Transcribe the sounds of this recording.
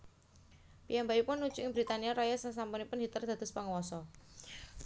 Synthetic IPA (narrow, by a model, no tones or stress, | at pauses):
pijambaipʊnːud̥t͡ʃuɪŋbɾit̪aniaɾajasəŋsampunipʊnɦit̪ərd̪̥a̤t̪ʊspaŋəwɔsɔ